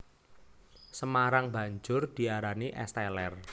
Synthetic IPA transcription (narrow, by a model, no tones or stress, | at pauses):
səmaɾaŋb̥a̤ɲd͡ʒʊrd̪̥i̤aɾaniʔɛ̰st̪ɛlɛr